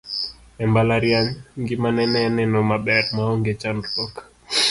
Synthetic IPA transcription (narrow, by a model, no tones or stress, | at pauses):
ɛmbalaɾjaɲŋɡɪmanɛnɛːnɛnɔmaɓɛɾmaɔŋɡet͡ʃanɔk